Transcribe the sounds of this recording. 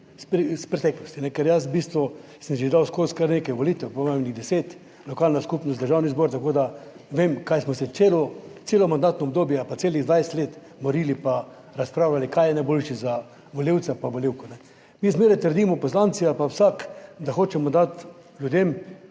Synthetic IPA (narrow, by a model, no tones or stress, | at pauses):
spɾispɾɛt̪ɛːklɔst̪inɛkɛɾjas̬bist̪ʋɔ | səmʒid̪awskoskaɾnekajʋɔliːt̪ɛwpɔmemniɣd̪ɛseːt̪ | lɔkaːlnaskupnɔst̪d̪əɾʒawnizbɔɾt̪akoːd̪a | ʋemkajsmɔsɛselɔt̪seːlɔmand̪at̪nɔɔb̚d̪oːbjɛapaseːliɣd̪ʋajsɛ̥t̪leːt̪ | bɔɾiːlipa | ɾaspɾaːwlalikajɛnajbolʃiza | ʋɔlʲew̪sɛpaʋɔlʲiwkɔnɛ | mizmeːɾɛjt̪əɾd̪iːmɔpɔslant̪sialpawsakd̪axoːt͡ʃɛmɔd̪at̪ | lʲjud̪em